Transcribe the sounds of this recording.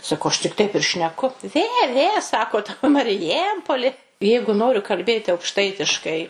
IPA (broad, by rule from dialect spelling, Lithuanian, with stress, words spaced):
sɐˈkɐʊ ˈɐʃ tʲɪk ˈtɐɪp ɪr ʃʲnʲɛˈkʊ ˈʋʲeː ˈʋʲeː ˈsɑːkoːt mɐrʲɪˈjɛmpoːlʲɪ ˈjɛɪɡʊ ˈnoːrʲʊ kɐlʲˈbʲeːtʲɪ ɐʊkˈʃtɐɪtʲɪʃkɐɪ